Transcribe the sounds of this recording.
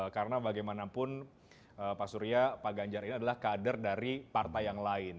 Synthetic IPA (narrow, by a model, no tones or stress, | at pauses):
karənabaɡajmanapʊn | əpasuɾiapaɡaɲd͡ʒaɾiniadalahkadərdaɾipart̪ajaŋlaɪn